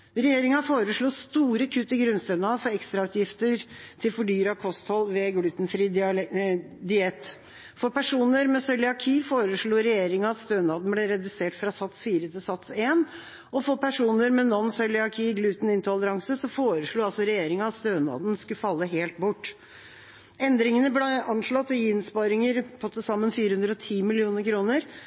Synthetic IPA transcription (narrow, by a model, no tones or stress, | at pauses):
ɾɛjeːɾɪŋɑfoːɾəʂɭuːst̪uːɾəkʰʉt̪ːɪɡɾʉnst̪ɛnɑfɔɾɛkst̪ɾɑʉt̪jɪft̪əɾt̪ʰɪlfɔɖyːɾɑkʰɔst̪hɔlːʋɛɡlʉːt̪nfɾiːd̪ | d̪ɪɛt̪ː | fɔɾpæʂuːnəɾmɛsœʏlɪɑkʰiːfoːɾəʂɭuːɾɛjeːɾɪŋɑɑt̪st̪øːnɑːd̪n̩blɛɾɛd̪ʉseːʈfɾɑsɑt̪sfiːɾət̪ʰɪlsɑt̪seːn | ɔfɔpʰæʂuːnəɾmɛnɔnsœʏlɪɑkʰiːɡlʉːt̪n̩ɪnt̪ɪɑləɾɑŋsəsɔfoːɾəʂɭuːɑlsɔɾɛjeːɾɪŋɑɑst̪øːnɑ̰ːd̪n̩skʉfɑlːəɦeːlt̪̚bʊʈː | ɛnd̪ɾɪŋənəbleʔɑnʂɭɔt̪ːɪɪnspɑɾɪŋəɾpʰɔt̪ʰəsɑmːənfiːɾəhʉnd̪ɾəɔt̪ʰiːmɪlɪuːnəɾkʰɾuːnəɾ